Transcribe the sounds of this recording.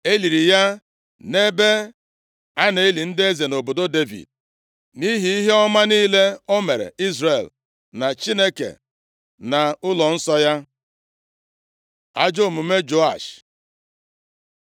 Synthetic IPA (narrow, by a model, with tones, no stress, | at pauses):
e˦li˨ɾi˨ja˦ | ne˦be˦ | a˦ne˨˦e˦li˨n̩˦dɪ˦e˦ze˨no˨bo˨do˦de˦vḭ˨d̚ | ni˦ɦi˦i˦ɦe˦ɔ˦ma˦niː˦le˦o˦me˨ɾḛ˨i˦zre˨l | na˨t͡ʃi˦ne˦kḛ˨ | na˨ʊ˦lɔ˨n̩˦sɔ˦ja˦ | a̰˦d͡ʒo˦˨mu˨me˦d͡ʒo˦a̰˨ʃ